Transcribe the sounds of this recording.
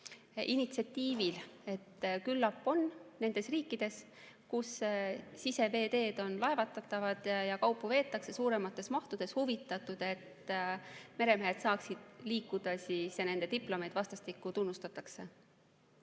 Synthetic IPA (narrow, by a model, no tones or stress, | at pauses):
init̪siɑt̪ːiːvile̞t̪ːkylːɑpːˑo̞nne̞nd̪̥e̞sriːkːˑid̪̥e̞s | kusː | ise̞ve̞ːd̪e̞ːd̪̥o̞nlɑe̞vɑt̪ːˑɑt̪ːˑɑvɑd̪̥jɑkɑwpːˑuve̞ːt̪ːˑɑkse̞suːɾe̞mɑt̪ːˑe̞smɑht̪ud̪̥e̞shuvit̪ːˑɑt̪ˑud̪̥e̞t̪ | me̞ɾe̞meed̪sɑːksid̪̥liːkːud̪̥ɑsiːsene̞nd̪̥e̞t̪iplo̞med̪̥vɑst̪ɑst̪ikːˑut̪unːust̪ɑt̪ːˑɑkse̞